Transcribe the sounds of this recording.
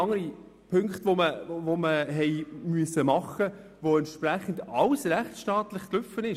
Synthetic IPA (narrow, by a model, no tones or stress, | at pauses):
ɑŋəɾi | pʰɵŋkχt̪ʋoməvoməɦɛjmyəsəmɑχːə | voɛnt̪ʃpræχən̩dɑlsræχt͡sʃtɑːt̪lɪχklʏfːənɪʃ